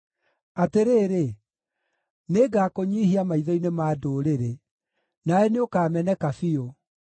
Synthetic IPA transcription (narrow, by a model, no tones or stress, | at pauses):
ateɾeːɾe | neːɡaːkoɲihiamaiðɔinemaːdoːɾeɾe | naɛneokaːmɛnɛkafio